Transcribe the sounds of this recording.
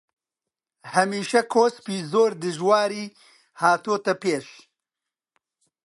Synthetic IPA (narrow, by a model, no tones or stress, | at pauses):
hɐmiːʃɐkʰoːspiːzoːɾd̪ɨʒwaːɾiː | haːt̪oːt̪ɐpeːʃ